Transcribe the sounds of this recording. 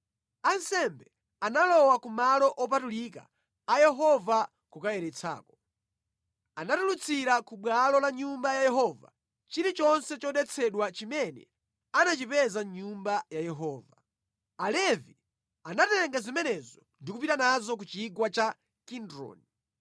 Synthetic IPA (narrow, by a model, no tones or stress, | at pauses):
ansɛmbɛ | analɔwakumalɔʔɔp̬atulika̰ | ajɛɦɔva | kukajɛɾɛt͡sʰa̰ːkɔ̥ | anatulut͡sʰiɾakuɓwalɔlaɲumbajajɛɦɔva̰ | t͡ʃiɾit͡ʃɔnsɛt͡ʃɔɗɛt͡sʰɛɗwat͡ʃimɛnɛ̰ | anat͡ʃipɛzaɲumbajajɛɦɔːva | alɛvi | anatɛŋɡazimɛnɛzɔndikupitanazɔk̬ut͡ʃiɡwat͡ʃa | kindɾɔ̰ni